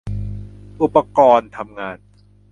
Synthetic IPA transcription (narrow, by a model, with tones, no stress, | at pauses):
ʔu˨˧˩pːa˧kɔː˧nt̪ʰa˧mŋaː˧n